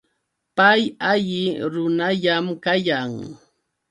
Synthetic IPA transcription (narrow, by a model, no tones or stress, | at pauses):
pajaʎɪɾʊnaʎamkajaŋ